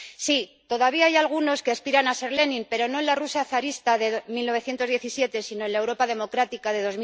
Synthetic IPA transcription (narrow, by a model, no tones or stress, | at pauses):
sit̪o̞ðaβ̞iaajalɣ̞uno̞skeaspiɾanase̞ɾle̞nĩmpe̞ɾo̞no̞enlarusaθaɾist̪aðe̞milnoe̞θjent̪o̞zðje̞θisje̞t̪e̞sinoenlaewɾo̞paðe̞mo̞kɾat̪ikaðe̞ðo̞zmi